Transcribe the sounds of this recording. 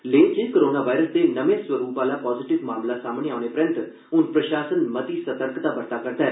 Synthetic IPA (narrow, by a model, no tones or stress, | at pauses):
leːd͡ʒeːkoːɾoːnaːʋaːjɾəsd̪eːnəʋeasʋəɾuːpaːlaːpɔːzɪʈɪʋmaːmlasaːmneaːʊñepəɾə̃nt̪ | ʊnpɾəʃaːsənmət̪iːsət̪əɾkt̪aːbəɾt̪aːkəɾd̪aɦɛ